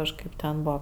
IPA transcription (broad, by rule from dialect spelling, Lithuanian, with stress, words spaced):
kɐʃˈkɐɪp tʲɛn ˈbuɔ